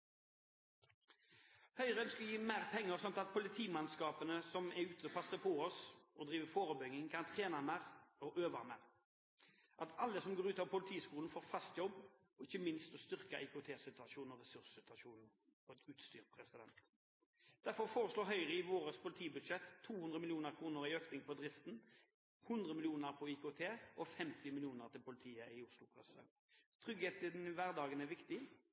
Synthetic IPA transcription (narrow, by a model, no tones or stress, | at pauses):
hœʏʁəənskɑljiːmæːʁpʰɛŋːəʁsɔnt̪ɑt̪̚pʰʊlɪt̪ʰiːmɛnskɑːpənəsɔmɛʉːt̪əɔpʰɑsəpʰɔɔsɔd̪ʁiːʋəfoːɾəbʏɡɪŋkʰɑnt̪ʰʁeːnɑmæʁɔʔøːʋɑmæ̰ːʁ | ʔɑt̪ɑlːəsɔmɡoːʁʉːt̪ɑʋpʊlɪt̪ʰiːskuːln̩foːɾfɑst̪jɔbː | ɔɪçəmɪnst̪ɔst̪ʏʁkɑʔɛɪkʊt̪ʰeːsɪt̪ʉʋɑʃuːnnɔʁɛsʉʁssɪt̪ɑʃuːnn̩ | ɔɛt̪ʉːt̪st̪yːʁpʰʁɛsɪd̪ɛ̰nt̪ | d̪̥æʁfɔʁfoːʁəsloːɾɦœʏʁəɪʋoːɾəspʰʊlɪt̪ʰiːbʉd̪ʂɛt̪ʰːuːhʉnd̪ʁəmɪlɪuːnəɾkʰʁuːnəɾɪøːknɪŋpʰɔd̪ʁɪft̪n | hʉnd̪ʁəmɪlɪuːnəʁpʰɔikʊːt̪ʰeːʁʔɔfɛmt̪ɪmɪlɪjuːnəʁt̪ʰɪlpʊlɪt̪ʰiːəɪʊslʊpʰʁɛ̰sə̰ | t̪ʰʁʏɡheːt̪ɪd̪nːʋæʁd̪ɑːɡənæʋɪkt̪ɪ